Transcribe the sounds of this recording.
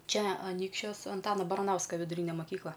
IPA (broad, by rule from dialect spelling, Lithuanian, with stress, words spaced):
ˈt͡ʃʲɛ ɐˈnʲiːkʃʲt͡ʃʲoːs ɐnˈtɑːnɐ bɐrɐˈnɐʊskɐ ʋʲɪdʊˈrʲiːnʲɛ mɐˈkʲiːklˠɐ